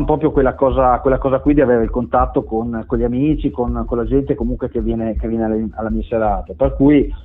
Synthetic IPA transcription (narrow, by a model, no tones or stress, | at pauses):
pɾɔːp̬ɾjokwelːakɔːzakwelːakɔːzakwid̪iaveːɾeilkont̪at̪ːokonkonʎiamiːt͡ʃikonkonlad͡ʒɛnt̪ekomuŋkwekevjɛːnekevjɛnealalːamiːaseɾaːt̪eperkuːj